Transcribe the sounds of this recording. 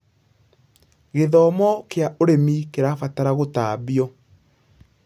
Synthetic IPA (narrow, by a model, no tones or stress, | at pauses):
ɣeðɔmɔkeaʔoɾemikeɾafataɾaɣotaːbiɔ